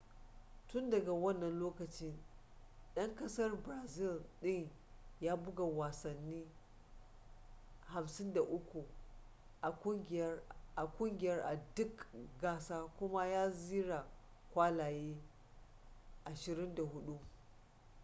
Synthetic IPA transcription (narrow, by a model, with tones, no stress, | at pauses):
tʊ˦ndɐ˨ɡa˨wɐ˦nːɐ˨nloː˦kɐ˨t͡ʃɪ˦n | ɗɐ˦ŋkɐ˦sɐ˦rbɾa˨zɪ˦˨lɗɪ˦ŋ | jaː˦bʊ˦ɡa˨waː˨sɐ˨nːiː˦ | ha˨msɪ˦nda˨ʔʊ˦kʷu˨ | ʔa˨kʷʊ˦ŋʲɪ˨˦ʔa˨kʷʼʊ˦ŋɡʲɪ˨jɐ˦rʔa˨dʊ˦kɡaː˦saː˦kʷʊ˦ma˦jaː˦ziː˦ɽa˨ | kʷaː˦laː˨jeː˦ | ʔa˨ʃɪ˨ɾɪ˦nda˨hʊ˦ɗu˦